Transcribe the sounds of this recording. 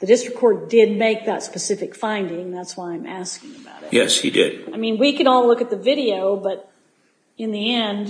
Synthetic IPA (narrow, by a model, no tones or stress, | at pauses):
ðɨdɪstɹ̥ɨkʰːɔɹt̚d̥ɪd̚meɪk̚ðətspɨsɪfɨkfãɪ̃ndɪ̃ŋðætswaɪãɪ̃mʔæskɪ̃ŋɨbaʊɾɨtjɛ̰shḭdɪ̰d̥aɪmĩnwikɨ̃nɔlˠlʊkɨt̪̚ðɨvɪɾioʊbʌɾ | ɨ̃nðiɛ̃nd